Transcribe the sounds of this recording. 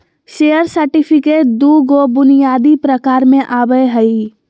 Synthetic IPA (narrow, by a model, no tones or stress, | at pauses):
ʃeːjəɾsəɾʈɪpʰɪkeːʈ̚d̪uːɡobʊnijaːd̪ipɾəkaːɾmẽʔaːbəjɦəi